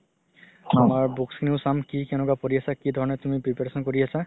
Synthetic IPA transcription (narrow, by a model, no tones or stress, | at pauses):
amaɹbukskiniʊsamkikɛnɔkapoɹiasakidʱɔɹɔnɛtumipipeɹsɔnkoɹiasa